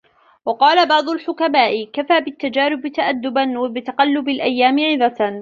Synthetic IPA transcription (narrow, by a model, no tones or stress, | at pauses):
wɑqɑːlabɑʕd̪ˤʊlħʊkamaːʔɪkafaːbɪt̪ːad͡ʒaːɾɪbt̪aʔad̪ːʊbanwabɪt̪ɑqɑlːʊbɪlʔajːaːmɪʕɪðɑ